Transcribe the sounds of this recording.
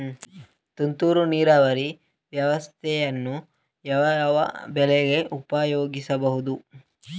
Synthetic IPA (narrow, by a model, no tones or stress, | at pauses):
t̪unt̪uːɾuniːɾaːʋɐɾi | ʋjɐʋɐst̪ʰɛjɐnːu | jɐʋɐɐʋɐ̰bɛlɛɡe̞ʔupɐːjoːɡisɐbɐɦud̪u